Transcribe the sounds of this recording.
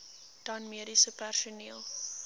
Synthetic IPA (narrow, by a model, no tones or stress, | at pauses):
d̥ɐnmiəɾisəpærsuniəlˠ